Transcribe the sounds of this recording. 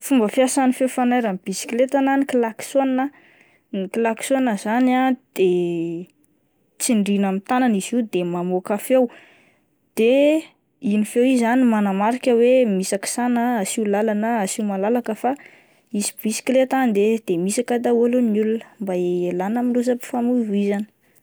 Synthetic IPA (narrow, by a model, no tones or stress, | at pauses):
fumbəfjasanifefanajɾamb̥isi̥kilet̪ananikilaksona | nikilaki̥sonəzanad̪̥e | t͡siɳɖ͡ʐinamit̪ananiz̥id̪emamokafew | d̪̥e | inifewizanimanamaɾikʲəwemisaki̥sanəasilalanəasimalalakəfa | isi̥bisi̥klet̪and̪ed̪̥emisakad̪aolonulunə̥mbaeelanəmilus̬əpi̥famuvizani̥